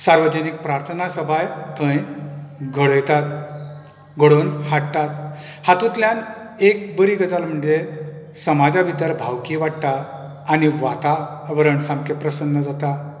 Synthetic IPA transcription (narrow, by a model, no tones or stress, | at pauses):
saɾʋəd͡ʑənik̚pɾaɾt̪ʰənasəbʱajt̪ʰə̃j | ɡʱəɭəjt̪at̪ | ɡʱəɽonhaɽt̪at̪̚ | hat̪ut̪ljan | ek̚bəɾiɡət̪alm̤əɳd͡ze | səmad͡zabid̪əɾbʱawkiʋaɽt̪aː | niʋat̪aʋəɾəɳsamkepɾəsənːəd͡zat̪a